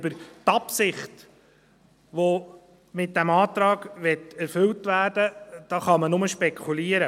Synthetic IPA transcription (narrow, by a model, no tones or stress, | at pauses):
bəɾtɑpsɪχt | ʋo | mɪt̚d̥æmɑːt̪ɾɑːɡʋɛtɛɾfɵltʋæːrd̥əd̥ɑːχɑmənʊməʃpɛkʰuliːəɾə